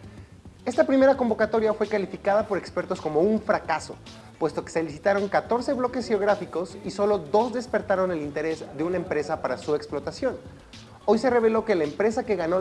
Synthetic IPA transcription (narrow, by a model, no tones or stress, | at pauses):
e̞st̪apɾime̞ɾako̞mbo̞kat̪o̞ɾjafwe̞kalifikað̞apo̞ɾe̞kspe̞ɾt̪o̞sko̞mo̞uɱfɾakaso̞̰ | pwe̞st̪o̞keselisit̪aɾo̞ŋkat̪o̞ɾse̞βlo̞ke̞sxeoɣ̞ɾafiko̞siso̞lo̞d̪o̞zðe̞spe̞ɾt̪aɾo̞ne̞lint̪e̞ɾe̞zðeunaempɾe̞sapaɾasueksplo̞t̪asjo̞n | o̞jse̞re̞β̞e̞lo̞ke̞laempɾe̞sake̞ɣano